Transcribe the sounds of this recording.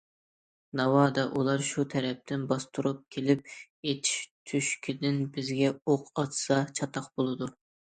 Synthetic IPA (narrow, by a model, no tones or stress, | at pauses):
nɑwɑːd̪ɑʔulˠɑɾʃut̪ʰɛɾɛp̚t̪ʰɪnbɑst̪ʰuɾup̚kʲʰelɪp̚ | et̪ʰi̥ʃt̪ʰyʃkʲʰid̪ɪnbɪzɡʲɛoqʰɑt̪sɑt͡ʃʰɑt̪ʰɑqbolˠɨd̪u